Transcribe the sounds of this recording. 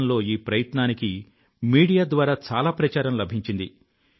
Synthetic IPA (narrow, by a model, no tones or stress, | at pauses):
nlo̞ːiːpɾɐjɐt̪naːniki | miːɽijaːd̪ʋaːɾaːt͡ʃaːlaːpɾɐt͡ʃaːɾɐmlɐbʱiɲt͡ʃind̪i